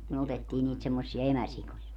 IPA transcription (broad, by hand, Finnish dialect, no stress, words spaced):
myø otetːiː niːt semːosːiɑ emæsikojɑ